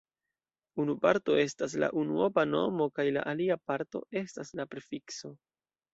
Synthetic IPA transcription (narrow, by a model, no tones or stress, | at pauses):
unupaɾto̞e̞stas̬la̰ʔunuopano̞̰mo̞kajla̰ʔaliapaɾto̞̰e̞staslapeɾfikso̞